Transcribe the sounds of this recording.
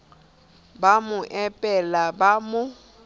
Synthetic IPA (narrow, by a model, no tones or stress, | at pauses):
bamʊʔɛpʼɛlabamʊ